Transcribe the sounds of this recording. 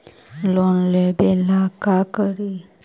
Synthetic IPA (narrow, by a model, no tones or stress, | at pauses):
lonlebelakakəɾi